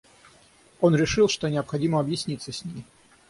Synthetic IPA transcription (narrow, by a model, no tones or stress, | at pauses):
o̞nɾʲɪʂɨlˠʂt̪onʲɪəpxɐdʲiməɐbjɪsʲnʲit̪sːəsʲnʲimʲɪ